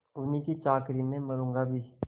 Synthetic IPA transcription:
ʊnĩkit͡ʃaːkɾimẽməɾũːŋɡabʱiː

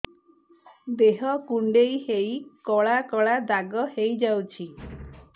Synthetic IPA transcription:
d̪eɦɔkuɳɖejhejkɔɭakɔɭad̪aɡɔhejd͡ʒawt͡ʃʰi

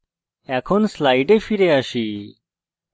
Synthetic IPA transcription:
ɛkʰɔnslajʈefʰiɾeaʃi

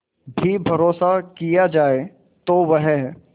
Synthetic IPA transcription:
bʱibʱɐɾoːsakijad͡ʒaːe | t̪oʋɛɦɦɛ

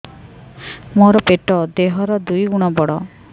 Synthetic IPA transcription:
moɾɔpeʈɔd̪eɦɔɾɔd̪ujɡuɽ̃ɔbɔɽɔ

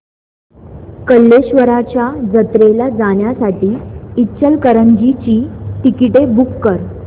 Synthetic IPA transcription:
kəlːeɕʋəɾat͡ɕjad͡zət̪ɾelad͡zaɳjasaʈiːtːt͡ɕəlkəɾəɲd͡ʑit͡ɕiːʈikiʈebukːəɾ

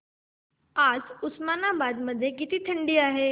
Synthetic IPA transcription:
aːd͡ʑʊsmaːnabaːd̪mɐd̪ʱjekɪt̪ʰet̪ʰɐ̃ɳɖiaːɦeː

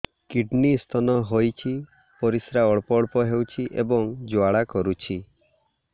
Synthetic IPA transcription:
kiɖnist̪ʰɔnɔɦojt͡ʃʰi | pɔɾisɾaɔɭpɔɭpɔɦewt͡ʃʰiʔḛbɔŋd͡ʒwaɭakɔɾut͡ʃʰi

